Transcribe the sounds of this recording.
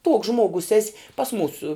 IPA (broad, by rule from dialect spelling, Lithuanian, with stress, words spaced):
tuɔks ˈʒmuɔɡʊs ˈæːsʲɪ pɐs ˈmuːsuː